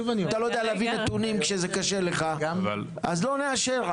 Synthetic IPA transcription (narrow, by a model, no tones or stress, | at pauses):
vnt̪alo̞jd̪ealeavinat̪unimkʃezekaʃele̞χaval | a̰zlo̞neaʃeʁ